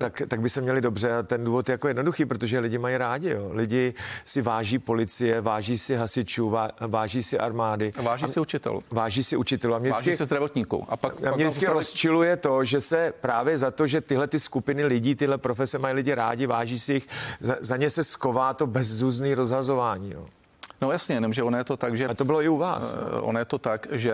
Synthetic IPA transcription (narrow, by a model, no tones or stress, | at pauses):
t̪akt̪aɡ̚bɪsɛmɲɛlɪdo̞brɛat̪ɛnduːvo̞t̪jɛjakojɛdnoduxiːpɾot̪oʒɛlɪɟɪmajiɾaːɟɪjolɪɟɪsɪvaːʒiːpo̞lɪt͡sɪjɛvaːʒiːsɪɦasɪt͡ʃuːvavaːʒiːsɪʔa̰ɾmaːdɪvaːʒisɪut͡ʃɪt̪ɛ̰lvaːʒiːsɪʔut͡ʃɪt̪ɛluʔamɲɛkːɪsɛzd̪ɾavot̪ɲiːkṵʔa̰paʔamɲɛdɪt͡skɪɾost͡ʃɪlujɛt̪o̞ʒɛsɛpɾaːvjɛzat̪o̞ʒɛt̪ɪɦlɛt̪ɪskupɪnɪlɪɟiːt̪ɪɦlɛpɾofɛsɛmajlɪɟɪɾa̰ːɟɪvaːʒiːsɪjɪxzazaɲɛsɛskovaːt̪o̞bɛzzuːzniːɾo̞zɦazo̞vaːɲḭːjo̰ | nojasɲɛjɛnomʒɛonajɛt̪ot̪akʒɛt̪obɪloɪuva̰ːssʔo̰najɛt̪ot̪akʒɛ